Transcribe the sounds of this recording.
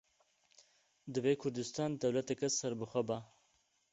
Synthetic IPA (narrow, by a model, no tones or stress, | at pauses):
d̪ɨveːkʰʊɾd̪ɨst̪ɑːnd̪ɐwlɐt̪ɛkɛsɐɾbɨxʷɛba